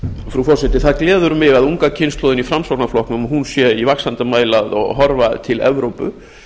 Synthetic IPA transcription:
fɾufɔɾ̥sɛt̪ɪθaðklɛːðʏɾmɪɣaðuŋkacʰɪnst̪lɔːðɪnifɾamsɔknaflɔhknʏmɔɦunsjɛivaksant̪amaːjlaðɔ̰ɣɦɔɾvat̪ʰɪlɛ̰vɾowpʏ̰

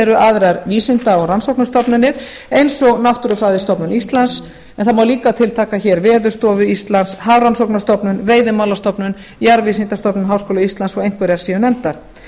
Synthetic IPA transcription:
ɛɾʏʔaðɾaɾviːsɪnt̪aɔɣransowknast̪ɔpnʏnːɪɾ̥ | ejnsɔɣnawht̪uɾʏfɾaːjðɪst̪ɔpnʏnist̪lans | ɛnθaðmawliːkat̪ʰɪlt̪ʰaːkaçɛːɾvɛːðʏst̪ɔːvʏist̪lanshawransowknast̪ɔpnʏnveːjðɪmawlast̪ɔpnʏn | jaɾviːsint̪ast̪ɔpnʏnɦawskoːlʏist̪lansfaejnkvɛɾaɾsiːʏnɛmt̪aɾ̥

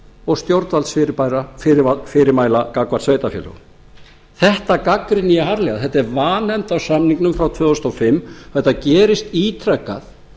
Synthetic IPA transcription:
ɔɣst̪jowɾt̪nvalsfɪɾɪpajɾaffɪɾɪɾmaːjlakakvaɾsvejt̪afjɛ̰lœ̰ɣ | θɛht̪akakɾɪnːijaɦaɾlɛɣaðθɛt̪aɛɾvaːnɛmt̪awsamniŋknʏmfɾawt̪ʰvœːɣʏst̪ɔfɪmːθɛht̪ːacɛːɾɪst̪it̪ʰɾɛkːa̰θ

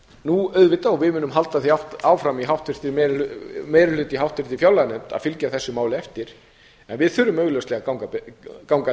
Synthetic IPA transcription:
nuœːɥðvɪt̪ːaɔvɪðmʏːnʏmɦalt̪aθiawht̪aːwfɾamiɦawht̪vɪr̥t̪ɪmɾmejɾɪl̥ʏːt̪iɦawht̪vɪr̥t̪ɪfjawlːanɛmt̪a̰fɪlcaθɛsːʏmaːwlɪɛft̪ɪɾ̥ | ɛnvɪðθʏɾʏmœɥɣlœwst̪lɛɣakawŋkakawŋka

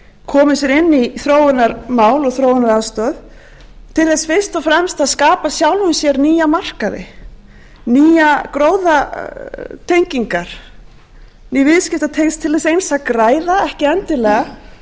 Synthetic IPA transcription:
kʰɔːmʏs̬jɛɾɪnːiθɾoːwʏnaɾmaːwlɔɣθɾoːwɪnaɾast̪œːð | t̪ʰɪlθɛsfɪr̥st̪ɔfɾɛmst̪aðskaːpasjawlvʏnsjɛɾniːjamar̥kaðɪ̰ | niːjakɾoːwða | t̪ʰejɲciŋkaɾ̥ | niːvɪðscɪft̪at̪ʰejnst̪ʰɪlθɛsejnsakɾaːjðaɛhcɪɛnt̪ɪlɛːɣa

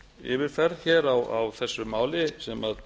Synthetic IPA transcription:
ɪ̰ːvɪɾ̥fɛɾçɛːɾawa̰wθɛsːʏmaːwlɪsɛmað

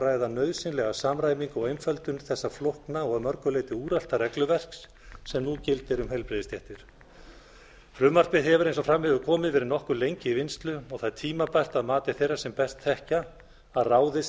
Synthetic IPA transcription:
raːjðanœːɥðsɪnlɛɣasamɾaːjmiŋkɔɣejnfœlt̪ʏnθɛsːaflohknaɔɣmœɾkʏleːjt̪ɪuːɾal̥t̪arɛklʏvɛr̥ksː | ɛmnucɪlt̪ɪɾʏmhejlpɾeðɪst̪jɛht̪ɪɾ̥ | fɾʏːmar̥pɪðɦɛvʏɾejnsɔfɾamːhɛvʏkʰɔːmɪðvɛːɾɪnɔhkʏlejɲcɪivɪnst̪lʏɔɣθaðt̪ʰiːmapajr̥t̪aðmaːt̪ɪ̥θejrːasɛmpɛst̪θɛhcaː | ðraːwðɪs

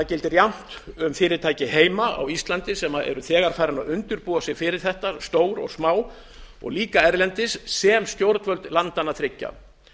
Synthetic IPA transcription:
acɪlt̪ɪɾjawm̥t̪ʏmfɪːɾɪɾt̪ʰaːjcɪheːjmaa̰wist̪lant̪ɪsɛmaɛ̰ɾʏθɛːɣaɾ̥faːjɾanaðʏnt̪ʏɾpuːasjɪɣfɪɾɪɾ̥θɛht̪ast̪oːwɾɔ̰ɣsmaːw | ɔ̰ɣliːkaɛɾlɛnt̪ɪsːɛmst̪jowɾt̪nvœlt̪lant̪anaθɾɪcːa̰

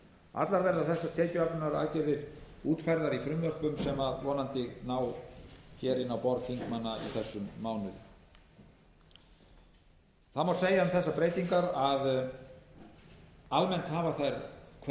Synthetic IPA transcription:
a̰t̪laɾvɛɾðaθɛsːat̪ʰɛːcʏapnʏnaɾa̰lcɛðɪɾuːt̪fajɾðaɾifɾʏmlœhpʏmsɛmaðvɔːnant̪ɪɣnaːwcɛːɾɪnawpɔɾðfiŋkmanːaḭθɛsːʏmːaːwnʏð | θaðmawseːjanθɛsːapɾeːjt̪iŋkaɾað | almɛnt̪haːvaθajɾkʰ

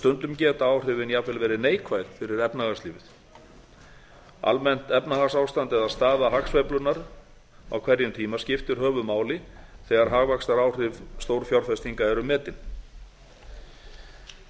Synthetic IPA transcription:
st̪ʏnt̪ʏmcɛːt̪aaːwr̥ʏːvɪnjavɛlvɛːɾɪneːjkʰvajðfɪɾɪɾɛpnaɣast̪liːvɪθ | a̰lmɛn̥t̪ɛpnahasawst̪ant̪ɛðaðst̪aːðaɦaksvejplʏnaɾ | a̰wkʰvɛɾjʏmt̪ʰiːmascɪft̪ʏɾ̥ɦœːvʏmaːwlɪθɛɣaɾɦaːɣvaksaɾaːwr̥ʏvst̪owɾfjawɾ̥fɛst̪iŋkaɛɾʏmɛːt̪ɪn

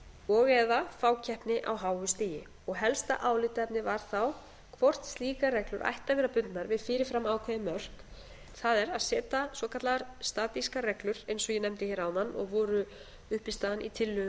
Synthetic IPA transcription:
ɔɣɛðafaːwcʰɛhpnɪʔa̰wɦaːwʏst̪iːjɪ | ɔɣɦɛlst̪a̰ʔaːwlɪt̪aɛpnɪvaɾ̥θaw | kʰvɔr̥t̪st̪liːkaɾɛklʏɾʔa̰jht̪avɛːɾapʏnt̪naɾvɪðfɪːɾɪfɾamːaːwkʰvɛðɪmœr̥k | θaðɛɾaðsɛːt̪asvɔkʰat̪laɣaɾst̪aːt̪iskaɾrɛklʏɾejnsɔɣjɛnɛmt̪ɪçɛːɾawnanːɔ̰ɣvɔːɾʏ | ʏhpɪst̪aanit̪ʰɪlːʏ

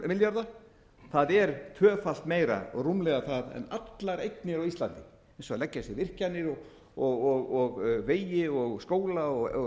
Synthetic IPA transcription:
mɪljaɾða | θaðɛɾt̪ʰvœːfal̥t̪meːjɾa̰rumlɛɣaθaðɛ̰nat̪laɾejt̪nɪɾawist̪la̰nt̪ɪ̥ | ɛnsɔalɛcːasɪvɪr̥canːɪɾɔɣ | ɔɣɔɣɔɣveːjɪɔɣskoːwlaɔɣ

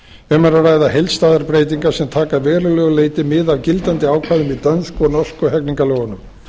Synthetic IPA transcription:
ɛmaɾarajðaɦejlst̪aːðaɾpɾejt̪iŋkḁsɛmt̪ʰaːkaðvɛːɾʏlœːɣʏleːjt̪ɪmɪðavcɪlt̪ant̪ɪaːwkʰvaðʏmit̪œnskɔnɔskɔɦɛkniŋkalɔːɣʏnʏm

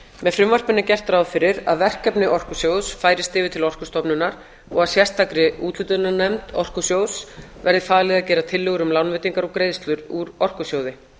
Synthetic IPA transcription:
mɛðfɾʏmvar̥pɪnacɛr̥t̪ɾawðfɪɾɪɾa̰ðvɛr̥kɛpnɪʔɔr̥kʏsjowðsfaːjɾɪst̪ɪːvɪt̪ʰɪlɔr̥kʏ̥st̪ɔpnʏnaɾ | ɔɣaðsjɛst̪ʰakɾɪut̪lʏt̪ʏnanɛmt̪ɔr̥kʏsjowðsvɛɾðɪfaːðlɛːɣðacɛːɾat̪ʰɪlːʏɣʏɾʏmlawnvɪːt̪iŋkaɾɔɣkɾejst̪lʏɾuɾɔr̥kʏsjowðɪ

